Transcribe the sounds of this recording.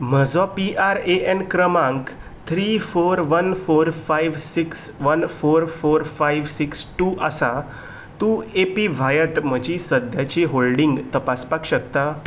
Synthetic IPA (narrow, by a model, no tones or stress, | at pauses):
m̤əd͡zɔpiʔaɾeʔɛnkɾəmãŋk | t̪ʰɾiːfoɾʋənfoɾfajʋsiksʋənfoɾfoɾfajʋsiksʈuːʔasa | t̪uepiʋʱajət̪m̤əd͡ʑisəd̪ʱjat͡ɕiɦolɖiŋɡt̪əpaspakɕək̚t̪a